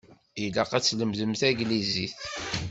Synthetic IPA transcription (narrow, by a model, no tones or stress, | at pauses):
ilæqæt͡sːləmðəmθæɡliziθ